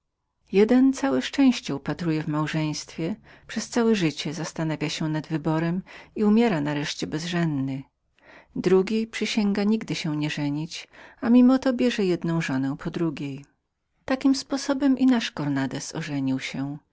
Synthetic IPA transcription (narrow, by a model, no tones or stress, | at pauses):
jɛd̪ɛnt̪sawɛʂt͡ʂɛ̃w̃ɕt͡ɕɛupat̪ɾujɛvmawʐɛj̃st̪fʲjɛ | pʂɛst̪sawɛʐɘt͡ɕɛzast̪anavʲjaɕɛnad̪vɘbɔɾɛmiumʲjɛɾanaɾɛʂt͡ɕɛbɛzʐɛnd̪ːɘ | d̪ɾuɡʲipʂɛɕɛŋɡaɲiɡd̪ɘɕɛɲɛʐɛɲit͡ɕamʲimɔt̪ɔbʲjɛʐɛjɛd̪nɔ̃w̃ʐɔnɛw̃pʰɔd̪ɾuɡʲjej | t̪akʲimspɔsɔbɛmʔinaʂkɔɾnad̪ɛsɔ̰ʐɛɲiwɕɛ